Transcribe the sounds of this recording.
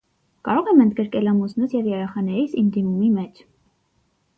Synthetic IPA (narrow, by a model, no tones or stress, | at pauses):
kɑɾɔʁɛmənd̪ɡəɾkɛlɑmusnusjɛvjɛɾɛχɑnɛɾisimd̪imumimɛt͡ʃʰ